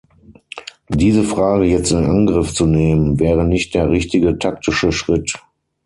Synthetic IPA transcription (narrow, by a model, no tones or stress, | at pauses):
diːzəfʁ̥aːɡəjɛt͡stɪnnʔanɡʁɪft͡suneːmənvɛːʁənɪçt̚d̥eːɐʁɪç̚tɪɡətʰak̚tɪʃəʃʁ̥ɪt